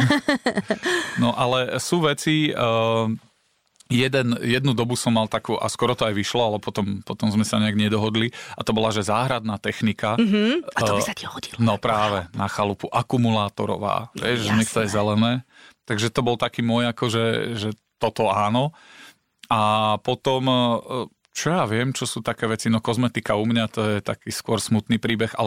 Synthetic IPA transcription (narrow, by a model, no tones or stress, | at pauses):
nɔʔalɛsuːʋɛt͡si | jɛd̪ɛnjɛd̪nud̪ɔbusɔmːalt̪akuːʔa̰skʊɔɾɔt̪ɔajʋiʃlɔalɛpɔt̪ɔmpɔt̪ɔmzmɛsaɲɛaɡɲɛd̪ɔɦɔd̪liat̪ɔbɔlaʒɛzaːɦɾad̪̚naːt̪ɛxnikaɦat̪ɔbisat̪ihɔɟilnɔpɾaːʋɛnaxalupuʔakumulaːt̪ɔ̰ɾɔ̰ʋa̰ːʋɛ̰ʒɛɲɛkt̪ɔjɛzɛlɛnɛːt̪aɡʒɛt̪ɔbɔlt̪akiːmʊɔjakɔʒɛʒɛ | t̪ɔt̪ɔaːnɔ | apɔt̪ɔm | t͡ʃɔjaːʋɪɛmt͡ʃɔsuːt̪akɛːʋɛt͡sinɔkɔzmɛt̪ikaumɲat̪ɔjɛt̪akiːskʊɔɾsmut̪niːpɾiːbɛɣa̰lɛ